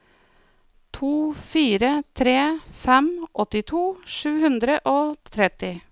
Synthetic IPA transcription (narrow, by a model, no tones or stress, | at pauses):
t̪ʰuːfiːɾət̪ʰɾeːfɛmʔɔt̪ɪt̪ʰuːʂʉːhʉnd̪ɾəʔoːt̪ʰɾɛt̪ɪ